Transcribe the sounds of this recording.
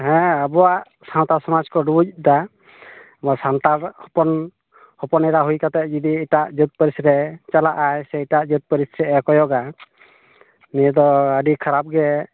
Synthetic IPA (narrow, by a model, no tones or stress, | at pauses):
ɦɛ̃əbɔwaʔ | sant̪asɔmad͡ʒkɔɖuuc̚d̪a | mɔsant̪aɾhɔpɔn | hɔpɔnɛɾaɦujkat̪ɛʔd͡ʒid̪iːʈaʔd͡ʒut̪̚pəɾisɾɛt͡ʃalaʔajsɛʈaʔd͡ʒut̪̚pəɾisɾɛʔɛkɔjɔɡa | nɛd̪ɔəɖikʰaɾap̚ɡɛ